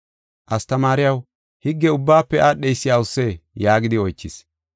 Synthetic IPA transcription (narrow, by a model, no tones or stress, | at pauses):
ʔɐst̪ɐmaːɾɪjɐw | hɪɡːɛʊbːaːpːɛʔaːɗɛjsːɪjaːʊsːeːjaːɡɪd̪ɪɔjt͡ʃːɪs